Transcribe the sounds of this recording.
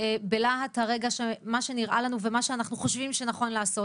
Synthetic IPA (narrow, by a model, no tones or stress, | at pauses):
ebelaɦataʁe̞ɡaʃemaʃe̞niʁʔalanuvemaʃeanaχnuχo̞ʃvimʃe̞naχo̞nlaːso̞t